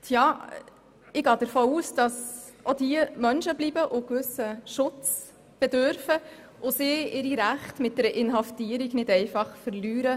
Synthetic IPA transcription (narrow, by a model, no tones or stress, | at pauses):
tʰjɑː | ɪɡɑːd̥əɾfoːuːsd̥ɑsʔod̥iəmœnʃəblibəʔʊkʋʏsəʃʊt͡s | b̥ɛdøɾfə | ʔʊsɪɪɾiɾæχtmɪt̚d̥ɛɾəʔɪnɦɑftiːəɾiɡnɪdɛɪfɑχfəɾlyːɾə